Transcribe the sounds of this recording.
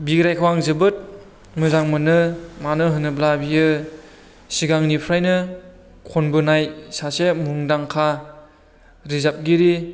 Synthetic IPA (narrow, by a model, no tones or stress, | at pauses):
biɡɾajkʰawaŋzɯbɯt̚ | mɯzaŋmɯnɯmanɯɦɯnɯblabijɯ | siɡaŋnipʰɾajnɯ | kʰɔnbɯnajsasemuŋdaŋkʰa | ɾizap̚ɡiɾi